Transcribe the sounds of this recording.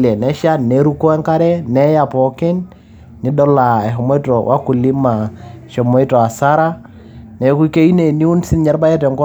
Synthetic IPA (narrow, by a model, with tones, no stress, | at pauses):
lɛ˨nɛ˦ʃa˦ne˨˦ɾu˦kɔ˦ɛ˦ŋka˦ɾɛ˦nɛ˦ja˨pɔ˨kɪ˦n | ɲɪ˨dɔ˦la˨ɛ˨ɦɔ˨mɔ˦tɔ˨wʔa˦ku˨li˦ma˨ʃɔ˨mɔ˦i˦tɔ˨a˨sa˦ɾa˦ | nɛ˨ku˦ke˦i˦ne˨ni˦u˦nsɪ˦nɲɛ˦ɾba˦jɛ˦tɛ˨ŋɡɔ˦